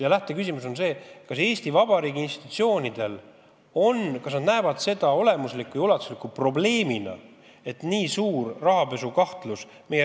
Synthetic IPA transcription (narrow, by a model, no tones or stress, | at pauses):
jɑlæht̪e̞kysʲimuso̞nse̞ːkɑse̞ːst̪ivɑb̥ɑɾiːɡiinst̪i̥t̪u̥t̪sio̞ːnʲid̪̥e̞l | o̞nkɑsnɑd̪næevɑd̪̥se̞d̪̥ɑo̞le̞muslikːujulɑt̪ːˑu̥slikːˑupro̞ble̞ːminɑ̰ | e̞t̪niːsuːrrɑhɑpe̞sukɑht̪lus | meje